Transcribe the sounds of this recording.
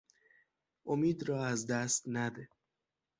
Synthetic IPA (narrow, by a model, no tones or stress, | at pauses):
ʔomiːd̪ɾɒːæzd̪æst̪næd̪e